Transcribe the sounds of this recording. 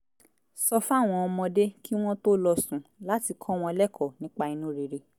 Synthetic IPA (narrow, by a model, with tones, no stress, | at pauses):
sɔ˧fa˦˨w̃ɔ̃˧ɔ˧mɔ̃˧de˦ki˦w̃ɔ̃˦to˦lɔ˧sũ˨la˦ti˧kʰɔ̃˦w̃ɔ̃˧lɛ˦kʰɔ˦˨nĩ˨˦k͡pa˧i˧nũ˦ɾe˧˨ɾe˧